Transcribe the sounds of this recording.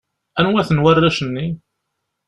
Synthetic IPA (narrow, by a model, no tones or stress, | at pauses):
ænwæθənwærːæʃənːi